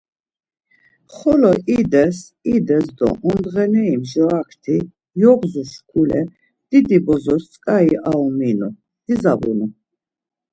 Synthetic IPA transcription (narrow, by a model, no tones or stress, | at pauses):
χɔlɔʔid̪ɛs | id̪ɛsd̪ɔ̰ʔɔnd̪ʁɛnɛimʒakʰt̪ʰi | jɔʁzuʃkʰulɛ̰ | d̪̥id̪ibɔzɔɾt͡sʼkʼaiʔaɔminu | d̪̥izabṵnu